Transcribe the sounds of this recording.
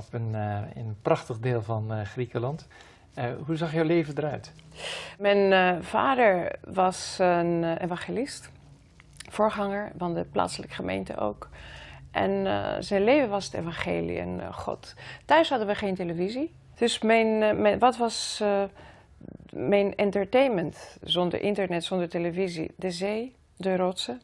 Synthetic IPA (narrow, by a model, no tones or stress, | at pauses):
ɔpənɪnprɑχtəχdeːlˠvɑnχrikəlɑnt | ɦuzɑχjɔwlejvəndəɾœɥt | mɛjnva̰ːdəɹʋɑsənʔḛːvɑ̃ŋχelɪst | fʊːɹχɑŋəɹvɑndəpla̰ːtsələkə̥χəmḛjntə̰ʔo̰wkʔɛ̰nzɛjnlejvənʋɑsətḛvɑ̃nχḛːlḭɛ̰nχɔ̰ttœɥsɦɑdənʋəχejnteləvizi | d̥ɵsmɛjnmʋɑtʋɑs | mɛjnɛntəɹtejnməntzɔndə̰ɹʔɪntəɹnɛtsɔndəɹteləvizḭdəzej | dərɔtsə